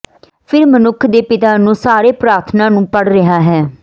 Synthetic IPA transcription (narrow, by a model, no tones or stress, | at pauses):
pʰɪɾmənʊkʰd̪eːpɪt̪aːnũːsaːɾeːpɾaːɾt̪ʰnãːnũːpəɽɾəɦaːɦɛː